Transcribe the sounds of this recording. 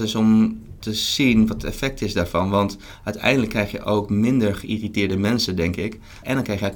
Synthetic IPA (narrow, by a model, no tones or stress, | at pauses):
ɪsɔmtəz̥inʋɑtəɛ̰fɛk̚tʰɪsdaːɹvɑnʋɑnt | ʔœɥtɛ̰jndələkːrɛjxjə̰ʔowkmɪndəɹχəiritɪːɹdəmɛnsədɛŋkɪk | ʔɛndɔnkrɛjxjə